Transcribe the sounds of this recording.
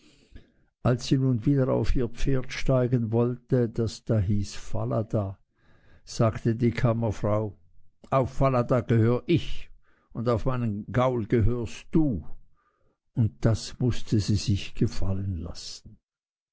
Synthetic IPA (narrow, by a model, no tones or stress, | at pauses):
ʔalsz̥iːnuːnviːdɐʁa̰ʊfiːɐp͡feːɐtʃtaɪɡənvɔltəd̥asd̥aːɦiːsfa̰ladaː | z̥aːktədiːkʰamɐfʁ̥aʊ | ʔaʊfːaladaːɡ̥əhøːʁəʔɪç | ʔʊndaʊfmaɪnənɡaʊlɡ̥əɦøːʁstd̥uː | ʊnt̚d̥asmʊstʰəziːzɪçɡ̥əfa̰lənla̰sn̩